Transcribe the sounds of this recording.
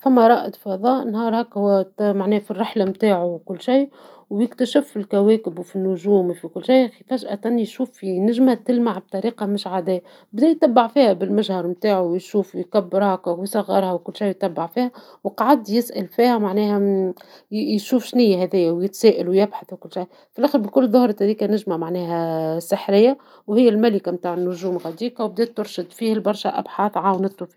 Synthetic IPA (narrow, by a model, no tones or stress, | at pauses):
fæmːæɾˤɑːʔɪd̪fɑðˤɑːʔnhɑːɾˤhækhʊwːæmaʕnɛːhfirːɪħlamt̪aːʕuwkʊlːʃij | wjɪkt̪æʃɪffilkæwɛːkɪbwfinːʊʒuːmfikʊlːʃajxifæʒʔæt̪ænːijʃuːfinɪʒmæt̪ɪlmaʕb̚t̪ˤɑɾiːqɑmɪʃʕad̪æː | bd̪ɛjt̪æbːaʕfiːhæbɪlmaʒhɑɾˤmt̪aːʕuwjʃuːfjkæbːɪɾhækæwjsˤɑɣːɑɾˤhæwkʊlːʃajjt̪ːæbːaʕfiːhæ | wqʕad̪jɪsʔælfiːhæmaʕnɛːhæ | jʃuːfʃnɪjːaɦæðɪjːæwjɪt̪sæːʔalwjɪbħaθwkʊlːʃaj | fɪlʔæːxəɾbikʊlːðˤʊhɾˤɑt̪hæðiːkænɪʒmamaʕnɛːɦæsəħɾɪjːa | whɪjːælmælɪkamt̪aːʕɪnːʊʒuːmɣæd̪iːqɑwb̚d̪ɛːt̪ːʊɾʃɪd̪fiːɪlbɑɾˤʃaʔa̰bħɑːθˤʕawnɪt̪ˤːɾʊfi